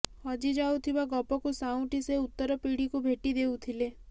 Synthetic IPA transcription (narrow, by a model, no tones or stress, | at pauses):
hɔd͡ʒid͡ʒawt̪ʰibaɡɔpɔkusaw̃ʈiseut̪ːɔɾɔpiɽikubʱeʈid̪ewt̪ʰile